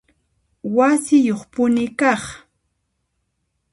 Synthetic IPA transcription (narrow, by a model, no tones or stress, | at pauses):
wasɪjoχpʊnɪkɑχ